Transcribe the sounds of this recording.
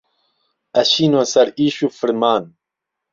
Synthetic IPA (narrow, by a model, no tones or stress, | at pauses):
ɐʃiːnwosɐɾiːʃuːfɨɾmaːn